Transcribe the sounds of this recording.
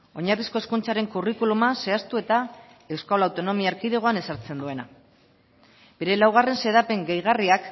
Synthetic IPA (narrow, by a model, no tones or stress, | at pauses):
o̞ɲarisko̞e̞skunt͡saɾe̞ŋkurikulumase̞ast̪ue̞t̪a | e̞wskalawt̪o̞no̞miaɾkiðeɣ̞o̞ane̞saɾt͡se̞nd̪ue̞na | be̞ɾe̞lawɣ̞are̞nse̞ðape̞ŋɡejɣ̞ariak